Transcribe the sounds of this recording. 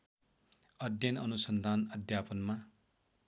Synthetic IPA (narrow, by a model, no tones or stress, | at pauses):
ʌd̪ʱjʌnʌnusʌnd̪ʱanʌd̪ʱjapʌnma